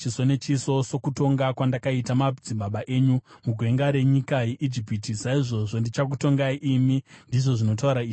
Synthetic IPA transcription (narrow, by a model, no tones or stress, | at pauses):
t͡ʃiso̞ne̞t͡ʃiso̞so̞kuto̞ŋɡakwandakaitamad͡zimbaɓaʔe̞ːɲumuɡʱwe̞ŋɡaɾe̞ɲikajeʔid͡ʒipitisaiʐo̞ʐo̞ndit͡ʃakuto̞ŋɡaiʔimindiʐo̞ʐino̞t̬auɾaii